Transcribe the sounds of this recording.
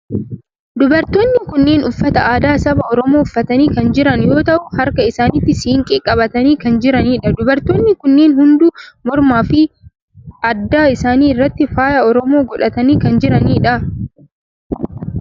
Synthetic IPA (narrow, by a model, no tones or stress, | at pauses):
d̪ʊbɐɾt̪oːnːɪkʊnːe̞ːnʊfːɐt̪ɐʔaːd̪aːsɐbɐɔɾɔmo̞ːʊfːɐt̪ɐniːkɐnd͡ʒɪɾɐnjo̞ːt̪ɐʔʊhɐɾkɐɪsaːniːt̪ːɪsiːŋkʼeːkʼːɐbɐt̪ɐniːkɐnd͡ʒɪɾɐniːᶑɐd̪ʊbɐɾt̪oːnːɪkʊnːeːnhʊnd̪ʊmɔɾmaːfɪ | ɐd̪ːaːɪsaːniːɪrːɐt̪ːɪfaːjɐɔɾɔmoːɡɔᶑɐt̪ɐniːkɐnd͡ʒɪɾɐniːᶑɐ